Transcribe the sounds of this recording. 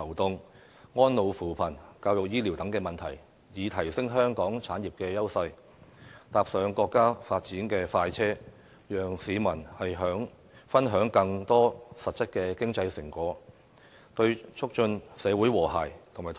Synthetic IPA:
ɐ˨˩wt̪ʊ˧ŋ | ŋɔː˥nlo˨˧wfuː˨˩pʰɐ˨˩nkaː˧wjʊ˨k̚jiː˥li˨˩wt̪ɐ˨˥ŋkɛː˧mɐ˨nt̪ʰɐ˨˩j | jiː˨˧t̪ʰɐ˨˩jsɪ˥ŋɦœː˥ŋkɔː˨˥ŋt͡sʰaː˨˥njiː˨p̚kɛː˧jɐ˥wsɐ˧j | t̪aː˨p̚sœː˨˧ŋkɔː˧kːaː˥faː˧t̚t͡siː˨˥nkɛː˧faː˧jt͡sʰɛː˥ | jœː˨ŋsiː˨˧mɐ˨˩nhɐ˨jɦœː˨˥ŋ | fɐ˥nɦœː˨˥ŋkɐ˧ŋt̪ɔː˥sɐ˨t̚t͡sɐ˥k̚kɛː˧kɪ˥ŋt͡sɐ˧jsɪ˨˩ŋkʷɔː˨˥ | t̪ɵ˧ɥt͡ʃʰʊ˥k̚t͡ʃɵ˧nsɛː˨˧wuː˨˥jwɔː˨˩ɦa̰ː˨˩jt̪ʰmaː˨˩t

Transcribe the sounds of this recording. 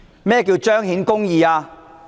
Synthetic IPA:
mɛː˥k̬iː˧wt͡ʃœː˥ŋɦiː˨˥nkʊ˥ŋjiː˨˧aː˧

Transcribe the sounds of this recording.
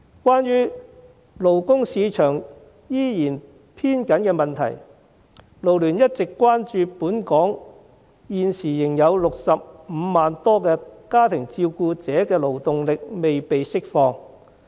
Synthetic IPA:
kwaː˥njyː˥ | lo˨˩wkʊ˥ŋsiː˨˧t͡ʃʰœː˨˩ŋ | jiː˥jiː˨˩n | pʰiː˥nkɐ˨˥nkɛː˧mɐ˨nt̪ʰɐ̰˨˩j | lo˨˩wlyː˨˩njɐ˥t̚t͡sɪ˨kːʷwaː˥nt͡ʃyː˧puː˨˥nkɔː˨˥ŋ | jiː˨nsiː˨˩jɪ˨˩ŋjɐ˨˧wlʊ˨k̚sɐ˨p̚m̩ː˨˧maː˨nt̪ɔː˥kɛː˧kaː˥t̪ʰɪ˨˩ŋt͡siː˧wkuː˧t͡sɛː˨˥kɛː˧lo˨˩wt̪ʊ˨ŋlɪ˨k̚me˨jpe˨jsɪ˥k̚fɔː˧ŋ

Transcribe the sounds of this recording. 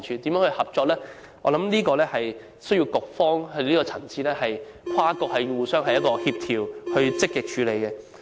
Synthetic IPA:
nt͡ʃʰyː˧t̪i˨˥mjœː˨˥ŋhɵ˧ɥhɐ˨p̚t͡ʃɔː˧k̚lɛː˥ | ɔː˨˧lɐ˨˥mniː˥kɔː˧lɛː˥hɐ˨j | sɵ˥ɥji˧wkʊ˨k̚fɔː˥ŋhɵ˧d̪li˥kɔː˧t͡sʰɐ˨˩ŋt͡sʰiː˥lɛː˥hɐ˨jkʰaː˥kɔː˧k̚hɐ˨jwuː˨sœː˥ŋɦɐ˨jɐ˥t̚kɔː˧hiː˧p̚t̪ʰiː˨˩whɵ˧ɥt͡sɪ˥kːɪ˨k̚t͡ʃʰyː˨˧le˨˧jkɛ˧

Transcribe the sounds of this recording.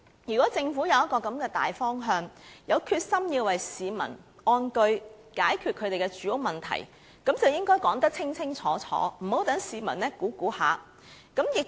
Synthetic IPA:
jyː˨˩kʷɔː˨˥t͡sɪ˧ŋfuː˨˥jɐ˨˧wjɐ˥t̚kɔː˧kɐ˨˧˥mkɛː˧t̪a̰ː˨jfɔː˥ŋɦœː˧ŋjɐ˨˧wkʰyː˧t̚sɐ˥mjiː˧wɐ˨jsiː˨˧mɐ̰˨˩nɔː˧nkɵ˧ɥ | kaː˨˥jkʰyː˨t̚kʰɵ˨˧t̪e˨jkɛ˧t͡ʃyː˨˥jʊ˨˧mɐ˨nt̪ʰɐ̰˨˩j | kɐ˨˥mt͡sɐ˨wjɪ˥ŋkɔː˥jkɔː˨˥ŋt̪ɐ˥t͡sʰɪ˥ŋt͡sʰɪ˥ŋt͡sʰɔː˨˥t͡sʰɔ̰ː˨˥m̩˨˩ho˨˥wt̪ɐ˨˥ŋsiː˨mɐ̰˨˩nnɛ˥kuː˨˥kuː˨˥ha̰ː˨ | kɐ˨˥mjɪ˨k̚

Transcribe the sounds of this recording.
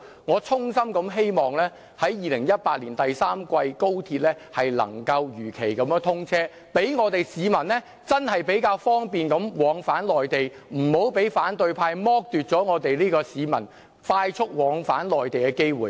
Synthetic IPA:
ŋɔː˨˧t͡sʰʊ˥ŋsɐ˥mkɐ˨˧mɦe˥jmɔː˨ŋlɛː˥ | hɐ˨˥jjiː˨˧lɪ˨˩ŋjɐ˥t̚paː˧t̚liː˨˩nt̪ɐ˨jsaː˥mkʷɐ˧jko˥wt̪ʰiː˧t̚lɛː˥ | hɐ˨jlɐ̰˨˩ŋkɐ˧wjyː˨˩kʰe˨˩jkɐ˨˦m˥˧t̪ʰʊ˥ŋt͡sʰɛː˥ | pe˨˥jŋɔː˨˧t̪e˨jsiː˨˧mɐ˨˩nlɛ˥ | t͡sɐ˥nhɐ˨jpe˨˥jkaː˧wfɔː˥ŋpiː˨nkɐ˨˥mwɔː˨˧˥ŋfaː˨˥nlɔː˨jt̪e˨jm̩˨˩ho˨˥wpe˨˥jfaː˨˥nt̪ɵ˧ɥpʰaː˧jmɔː˥k̚t̪yː˨t̚t͡sɔː˨˥ŋɔː˨˧t̪e˨jliː˥kɔː˧siː˨˧mɐ̰˨˩n | faː˧jt͡sʰʊ˥k̚wɔː˨˥ŋfaː˨˥nlɔː˨jt̪e˨jkɛ˧ke˥jwuː˨˩

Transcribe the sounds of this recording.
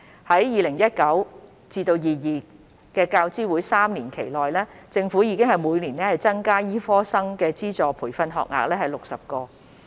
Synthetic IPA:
hɐ˨˥jjiː˨˧lɪ˨˩ŋjɐ˥t̚kɐ˨˥w | t͡siː˧t̪o˧wjiː˨jiː˨ | kɛː˧kaː˧wt͡siː˥wuː˨˥jsaː˥mniː˨˩nkʰe˨˩jlɔː˨jlɛː˥t͡sɪ˧ŋfu˨˥jiː˨˧kɪ˥ŋhɐ˨jmuː˨˧jniː˨˩nɛː˥hɐ˨jt͡sɐ˥ŋkaː˥jiː˥fɔː˥sɐ˥ŋkɛː˧t͡siː˥t͡sɔː˨pʰuː˨˩fɐ˧nɦɔ̰ː˨˧k̚ŋa̰ː˨k̚lɛː˥hɐ˨jlʊ˨k̚sɐ˨p̚kɔː˧

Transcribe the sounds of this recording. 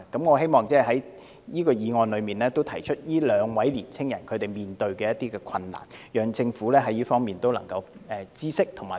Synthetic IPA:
kɐ˨˥mŋɔː˨˧ɦe˥jmɔː˨˩ŋt͡sɛː˥˩ɦɐ˨˥j | jiː˥kɔː˧jiː˨˧ŋɔː˧nlɵ˨˧miː˨nlɛː˥t̪o˥wt̪ʰɐ˨˩jt͡ʃʰɵ˥t̚jiː˥lœː˨˧ŋwɐ˨˥jliː˨˩nt͡sʰɪ˥ŋjɐ˨˩nkʰɵ˨˧ɥt̪e˨˩jmiː˨nt̪ɵ˧ɥkɛː˧jɐ˥t̪iː˥kɛː˧kʰɐ˧nla̰ː˨˩njœː˨˧ŋt͡sɪ˧ŋfuː˨˥lɛː˥ɦɐ˨˥jiː˥fɔː˥ŋmiː˨˩nt̪o˥wlɐ˨˩ŋkɐ˧wɛ˨˧t͡siː˥sɪ˥k̚t̪ʰʊ˨˩ŋma̰ː˨˩

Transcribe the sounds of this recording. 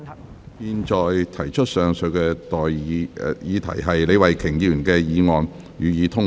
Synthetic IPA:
piː˧nt͡ʃɔː˨jt̪ʰɐ˨˩jt͡ʃʰɵ˥t̚sœː˨ŋsɵ˨˧ɥkɛː˧t̪ɔː˨ji˨˧jiː˨˧t̪ʰɐ̰˨˩jɦɐ˨jle˨˧jwɐ˨jkʰɪ˨˩ŋji˧˨y˨˩nkɛː˧jiː˨˧ŋɔː˨n | jyː˨jiː˨˧t̪ʰʊ˥ŋ

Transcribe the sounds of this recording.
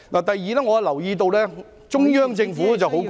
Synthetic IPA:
naː˨˩t̪ɐ˨jːiː˨˩lɛː˥ŋɔː˨˧a˥lɐ˨˩wjiː˧t̪o˧wlɛː˥ | t͡ʃʊ˥ŋjœː˥ŋt͡sɪ˧ŋfuː˨˥ɛ˥t͡sɐ˨wɦo˨˥w

